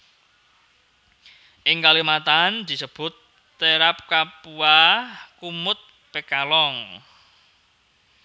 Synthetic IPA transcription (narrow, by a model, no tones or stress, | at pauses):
ʔɪŋkalimat̪and̪̥i̤səb̥ʊt̪ː | eɾap̚kapuakumʊt̪̚ | pekalɔŋ